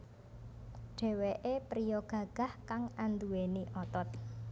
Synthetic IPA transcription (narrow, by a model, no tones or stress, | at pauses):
ɖ̥ɛ̤weʔepɾijɔɡ̥ä̤ɡ̥a̤hkaŋand̪ueniʔɔt̪ɔt̪̚